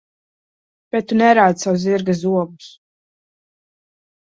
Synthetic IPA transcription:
b̥ɛt̪ːunɛɾaːd̪saws̬ziɾɡas̬uɔɡus

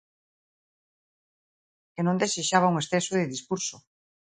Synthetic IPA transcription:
enõnd̪eseʃaβ̞auŋesθesoðeðiskuɾso

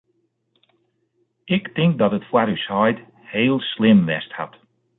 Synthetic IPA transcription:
ʔɪktɪŋk̚dɔtətfwaɾyshɔjt | heːlˠslɪmʋɛ̰stha̰t

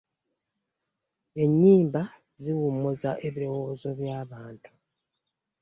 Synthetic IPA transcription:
e̞ɲːiːmba | ziwumozaʔe̞βiɾo̞wo̞zo̞βjaːβaːntu̥

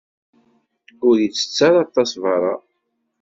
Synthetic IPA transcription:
ʊɾjit͡sːə̥t͡sːaɾɑt̪ˤːɑsvɑɾˤɑ

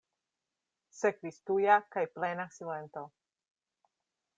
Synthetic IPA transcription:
sekvist̪ujakajplenasilent̪o

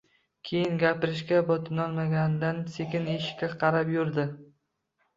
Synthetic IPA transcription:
kʲʰejɪnɡʲapɪɾɪʃkʲabɒt̪ʰɪnɒlˠmaɡʲand̪ansekʲɪneʃkʲaqʰɑɾapjʊɾd̪ɪ

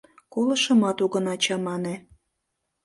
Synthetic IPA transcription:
kolə̆ʃə̆mɑt̪uɣə̆nɑt͡ɕɑmɑne

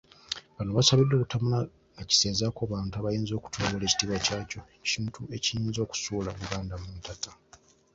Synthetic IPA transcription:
βanoβasaβidːo̞ːkutamula | ŋaci̥seːnzakoβaːntuaβajiːnzo̞ːku̥tʰoːɡole̞ci̥tiβacaːco̞ | ciːntʰue̞cijiːnzo̞ːku̥suːlaβuɡaːndamuntata

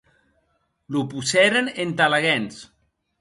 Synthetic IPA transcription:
lupusɛɾenent̪alaɣɛns

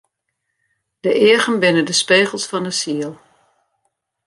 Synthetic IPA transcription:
d̥əʔɪəɣənbɪnədəspeːɣəlˠsfɔndəsiəlˠ

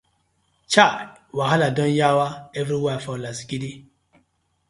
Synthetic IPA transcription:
t͡ʃawaɦaladɔ̃njawaɛvɾiwafɔlasi̥kidi

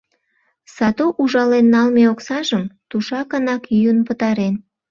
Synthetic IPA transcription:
sɑt̪oʔuʒɑlenːɑlmeoksɑʒəmt̪uʃɑkɑnɑkyjunpət̪ɑɾen

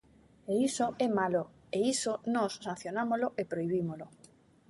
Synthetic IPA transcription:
eisoɛmalo | eisonɔsːãn̟θjonamozloʔepɾoiβ̞imolo

